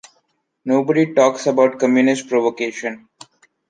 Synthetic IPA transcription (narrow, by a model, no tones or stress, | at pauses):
noːbəɖiʈɔːksəbaʊʈ̚kə̃mjuːnɪsʈpɾoʋokeːʃə̃n